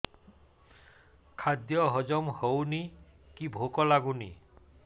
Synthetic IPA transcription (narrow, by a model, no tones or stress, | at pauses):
kʰad̪jɔɦɔd͡ʒɔmhowni | kibʱokɔlaɡunḭ